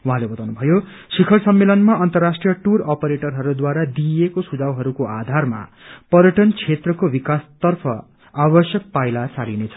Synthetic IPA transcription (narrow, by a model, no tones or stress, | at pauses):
wuɦãlebʌt̪awnubʱʌjo | sikʰʌrsʌmːelʌnmaʌnt̪ʌrːasʈrijʌʈurʌpeɾeʈʌrɦʌɾud̪waɾad̪iekosud͡zawɦʌɾukoad̪ʱarma̰pʌɾjʌʈʌnt͡sʰet̪rʌkobikast̪ʌrpʰʌ | abʌsjʌk̚pajlat͡salinet͡sʰʌ̥